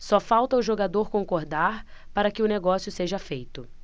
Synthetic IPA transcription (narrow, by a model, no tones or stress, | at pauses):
sɔfawt̪ɐʊʒoɡad̪oɾkõŋkoɾd̪aɾpaɾɐkɪʊneɡɔsjʊseʒɐfejt̪ʊ